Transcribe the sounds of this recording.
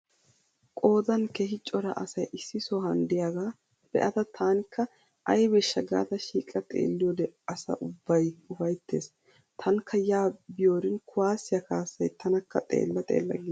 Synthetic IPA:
kʼo̞ːd̪ɐnkeːɦɪt͡ʃʼːɔɾɐ̰ʔɐsɐjʔɪsːɪsoɦɐnd̪ɪjaːɡaː | b̥ɛ̰ʔɐt̪ɐt̪ʰaːnkːɐ | ʔɐjbɛʃːɐɡa̰ːt̪ɐʃiːkʼɐt̪ʼḛːlːɪjod̪ɛɐsɐ̰ʔʊbːɐjʊfɐjt̪ːḛːs | t̪ʰɐŋkʰːɐjaːbɪjoːɾɪnkʰʊwaːsːɪjɐkaːsːɐjt̪ʰɐnɐkːɐt̪ʼḛːlːɐt̪ʼḛːlːɐ̰ɡi

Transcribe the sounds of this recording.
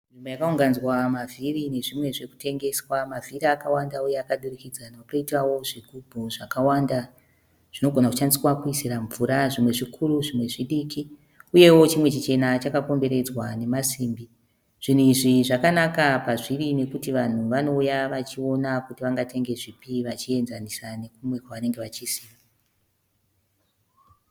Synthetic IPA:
nimbo̞jakauŋɡanzwamavʱirine̞ʐimwe̞ʐe̞ku̥te̞ŋɡe̞swamaviɾakawandaujeakaɗurikid͡zanaakoitrawo̞ʐiɡʱubʱuʐakawanda | ʐ̥ino̞ɡʱonaku̥t͡ʃanisiwakuisiraɱvuɾaʐimwe̞ʐikʰuruʐimwe̞ʐiɗiːki | uje̞wo̞t͡ʃimwe̞t͡ʃit͡ʃe̞nat͡ʃakako̞mbe̞ɾe̞d͡zwane̞masiːmbi | ʐ̥in̤uiʐiʐakanakapaʐirine̞kutiʋan̤uʋano̞ujaʋat͡ʃio̞nakutiʋaŋɡatʰe̞ŋɡe̞ʐipiʋat͡ʃie̞nzanisane̞kumwe̞kwaʋane̞ŋɡe̞ʋat͡ʃisiːʋa

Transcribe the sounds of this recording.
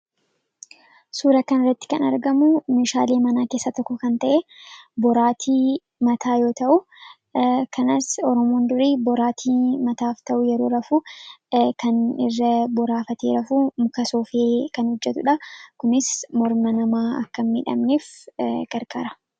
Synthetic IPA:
suːɾɐkɐnɪrːɐt̪ːɪ̥kɐnɐɾɡɐmʊmeːʃaːleːmɐnaːkeːsːɐt̪ɔkːɔkɐnt̪ɐʔebɔɾaːt̪ʰi | mɐt̪ʰaːjo̞ːt̪ɐʔʊ | kʰɐnɐsɔɾɔmoːnd̪ʊɾiːbɔɾaːt̪ʰiːmɐt̪aːft̪ɐʔʊjɛɾoːɾɐfuː | kɐnɪrːɐbɔɾaːfɐt̪eːɾɐfuːmʊkɐsoːfeːkɐnhɔd͡ʒːɛt̪ʊᶑɐkʊnɪsmɔɾmɐnɐmaːɐ̰kːɐmɪᶑɐ̰mnefɡɐɾkʼa̰ːɾɐ

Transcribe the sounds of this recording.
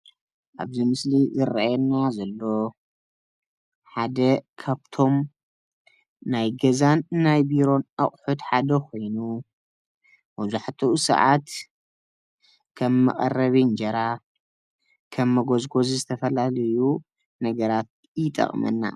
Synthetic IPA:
ʔa̰βzimɨslizɨɾa̰ɛnːazɐlːo̞ | ħad̪ɐkʰaβt̪ʰo̞m | najɡɐzanːajbiɾo̞naχʼħud̪ħad̪ɐkʰo̞jnu | mɐzuħt̪ʰusɐ̰ʕat̪ | kʰɐmːɐ̰χʼɐ̰rːɐβind͡ʒɐɾa | kʰɐmːɐɡozɡo̞zizɨt̪ʰɐfɐlalɐju | nɐɡɐɾat̪̚ | jɪt̪ʼɐ̰χʼmɐ̰nːa̰

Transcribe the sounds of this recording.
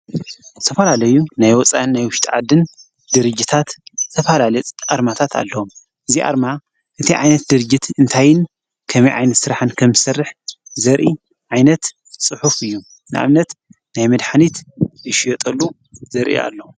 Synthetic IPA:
t̪ʰɐfɐlalɐjunajwɔt͡sʼa̰ʔnːajwʊʃt̪ʰʼʕa̰d̪ɨn | d̪ɨɾɨd͡ʒːit̪ʰat̪t̪ʰɐfɐlaaɾmat̪ʰat̪ʰa̰lːɐom | ʔɨziʔa̰ɾma | ʔɨt̪ʰiʕajnɐt̪̚d̪ɨɾɨd͡ʒɪt̪ɨnt̪ʰajɪn | kʰɐmɐjʔʕa̰jnɐt̪sɨɾaħɨnkʰɐmzɨsɐrːɨħzɐɾʔi | ʕajnɐt̪ | sʼɨħufɨjːu | nɨʔa̰mnɐt̪ | najmɐd̪ħanit̪ɨʃjot̪ʼɐlːu | zɐɾʔḭa̰lːɐw

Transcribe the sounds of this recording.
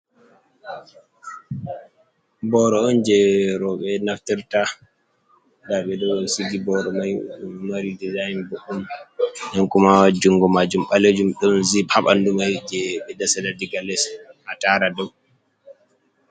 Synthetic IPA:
bɔɾɔɔnd͡ʒɛɾɔɓɛnaftiɾta | daɓɛdɔsiɡibɔɾɔmajmaɾidizajnbɔʔumdɛnkumawad͡ʒuŋɡɔmad͡ʒumɓaled͡ʒumɗɔnzihaɓa̰ndumajd͡ʒɛɓɛdasɛdadiɡalɛshataɾadɔw

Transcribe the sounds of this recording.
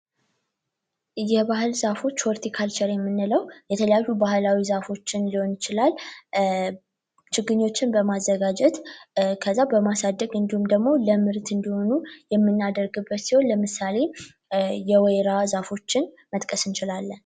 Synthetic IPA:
jɛβaɦɨlzafo̞t͡ʃːfɔɾt̪ʰikʰalt͡ʃʰɛɾjɛmːɨnːɨləwjɛt̪ʰələjajːubaɦɨlawizafo̞t͡ʃːɪnliho̞njɪt͡ʃɪlal | t͡ʃɪɡːɨɲːo̞t͡ʃːɪnbəmazːəɡad͡ʒɛt̪kʰəzːabəmasad̪ːəɡɨnd̪ihumd̪əɡmo̞ləmɨɾt̪ʰɨnd̪iho̞nujɛmːɨnːad̪əɾɡɨbːət̪siho̞nləmɨsale̞ | jɛwɛjɾazafo̞t͡ʃːɪn | mət̪ʼkʼəsɨnt͡ʃɪlalːən

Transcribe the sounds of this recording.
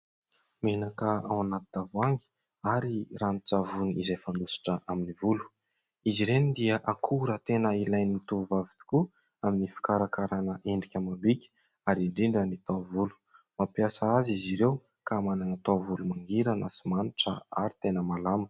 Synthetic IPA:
menakəa̰wanat̪ud̪avuaŋɡi̥ | aɾirant͡savuniizajfanusi̥ʈ͡ʂəʔaminivulu̥ | iziɾenid̪iəʔakʰuɾət̪enəilajniit̪uuvavi̥t̪u̥ku | aminifi̥kaɾakaɾanəʔeɳɖ͡ʐikʲamambikʲə̥ | aɾiɳɖ͡ʐiɳɖ͡ʐənit̪avulu̥ | mapjasaaziziɾew | kamananat̪avulumaŋɡiɾana̰simaniʈ͡ʂə̰a̰ɾit̪enəmalamə̥

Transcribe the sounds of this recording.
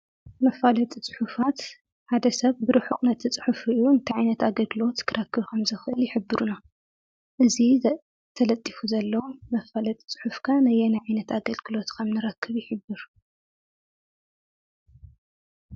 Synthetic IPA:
mɐfalɐt̪ʼit͡sʼu̥ħufat̪ | ħad̪ɐsɐβbɨɾɨħuqʼnɐt̪ʰit͡sʼɨ̥ħufujuɨnt̪ʰiʕajnɐt̪aɡɐlɡɨlo̞t̪kʰɨɾɐkːɨβkʰɐmzɨxʔɨljɪħɨbːɨɾuna | ʔɨzi | t̪ʰɐlɐt̪ʼːifuzɐlːɐwumɐfalɐt̪ʼi̥t͡sʼɨ̥ħufkʰanajɛnajʕajnɐt̪aɡɐlɡɨlo̞t̪kʰɐmnɨɾɐkːɨβjɪħɨbːɨɾ

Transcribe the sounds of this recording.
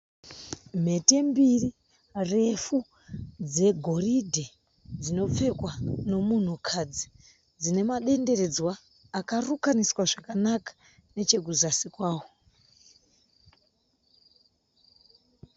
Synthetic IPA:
m̤e̞te̞mbiri | re̞fu | d͡ze̞ɡʱo̞ridʱe | d͡zino̞p͡fe̞kwano̞mun̤ukʰad͡zi | d͡zine̞maɗe̞nde̞re̞d͡zwaː | karukaniswaʐakanakḁ | ne̞t͡ʃe̞k̬uzasikwaːwo

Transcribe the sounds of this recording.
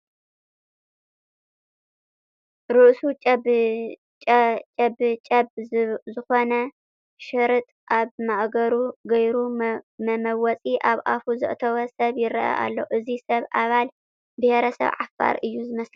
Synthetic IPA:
ɾɨʔsut͡ʃʼ | t͡ʃʼɐbt͡ʃʼɐbzɨxo̞nɐ | ʃɨɾɨt̪ʼʔaβmaʔɡɐɾuɡɐjɾumɐmɐwɔt͡sʼiʔaβʔa̰fuzɨ̰ʔt̪ʰɐβɐsɐβjɪɾɐʔɐ̰ʔa̰lːo̞̰ʔɨzisɐβʔaβal | bɨheɾɐsɐ̰βʕafɡa̰ɾʔɨjːuzɨmɐslɐ

